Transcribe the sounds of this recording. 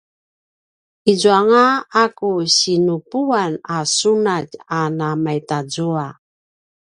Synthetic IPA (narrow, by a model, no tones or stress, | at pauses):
izuaŋaakuɕinupuanasunacanamajtazua